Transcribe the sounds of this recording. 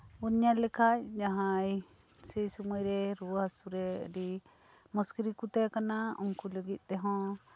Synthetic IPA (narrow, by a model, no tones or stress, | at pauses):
uɲalɛkʰajd͡ʒaɦãj | sɛjsumɔjɾɛɾuaɦasuɾɛɾi | mɔskiɾikut̪ekanaɔŋkuləɡit̪̚ˀt̪ɛɦɔ̃